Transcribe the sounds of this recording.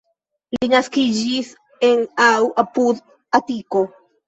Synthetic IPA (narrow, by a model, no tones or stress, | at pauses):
linaskid͡ʒis | e̞nawʔapud̪ | atiko̞